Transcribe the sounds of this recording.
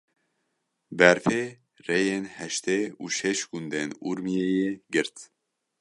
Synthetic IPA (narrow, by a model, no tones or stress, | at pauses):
bɛɾfe | rejenhɛʃt̪euːʃɛʃɡund̪enuɾmijejeɡɨɾt̪